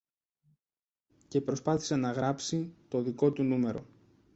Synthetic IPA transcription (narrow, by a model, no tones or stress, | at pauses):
ce̞pɾo̞spɐθi̥se̞nɐɣɾɐpsit̪o̞ðiko̞t̪unume̞ɾo̞̰